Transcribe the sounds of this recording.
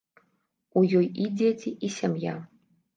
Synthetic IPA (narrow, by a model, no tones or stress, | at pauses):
ujɔjid͡zʲet͡sʲiʔisʲamja